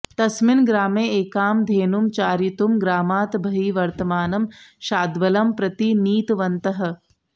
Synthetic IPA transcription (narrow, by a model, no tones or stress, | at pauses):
t̪ɐsmɪnɡɾaːmeːeːkaːmd̪ʱeːnumt͡ʃaːɾjit̪umɡɾaːmaːt̪bʱɐɦiːʋɐɾt̪ɐmaːnɐmʃaːd̪ʋɐlɐmpɾɐt̪iniːt̪ʋɐnt̪ɐɦɐ̆